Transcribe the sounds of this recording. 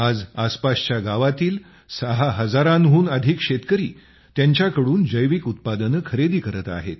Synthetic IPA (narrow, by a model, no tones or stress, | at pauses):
ad͡zaspast͡ɕjaɡaʋat̪iːl | səɦaɦəd͡zaɾãnɦuːnəd̪ʱikɕet̪kəɾiː | t̪jaɲt͡ɕjakəɽuːnd͡zəjʋikut̪̚pad̪ənəkʰəɾed̪iːkəɾət̪a̰ɦet̪